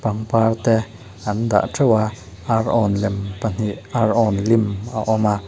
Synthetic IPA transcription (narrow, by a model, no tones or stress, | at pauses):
paŋpaɾt̪ɛ | and̪a̰ʔʈ͡ʂʰəwa | aɾʔɔnlempan̥iʔʔaɾʔɔnlimaʔɔma